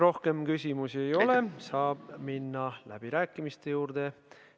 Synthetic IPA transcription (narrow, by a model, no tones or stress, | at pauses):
ro̞hke̞mkysʲimusie̞jo̞le̞sɑːb̥minːɑlæ̰b̥iɾæːkːˑimist̪e̞juːrd̪̥e̞